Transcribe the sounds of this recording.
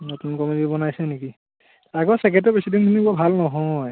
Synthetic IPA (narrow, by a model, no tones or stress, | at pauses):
notunkɔmidibɔnajsɛneki | aɡɔsɛkɛtɛpɹisidintumibuabʱalnɔɦɔj